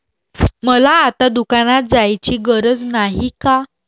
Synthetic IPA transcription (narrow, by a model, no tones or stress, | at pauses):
məlaːt̪ad̪ukanat̪̚d͡zajt͡ɕiːɡəɾəd͡znaɦika